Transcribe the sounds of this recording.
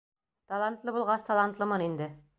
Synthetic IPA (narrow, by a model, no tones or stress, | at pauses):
t̪ɑlˠant̪lˠɤbulˠʁɑst̪ɑlˠɑnt̪lˠɤmɤnind̪ɘ